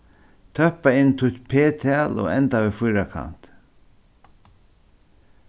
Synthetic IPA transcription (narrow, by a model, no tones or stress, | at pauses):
t̪ʰœhpaɪnːt̪ʰʊt̪pʰeːt̪ʰɛːlo̰ːɛnt̪aʋifʊjɾakʰa̰n̥t̪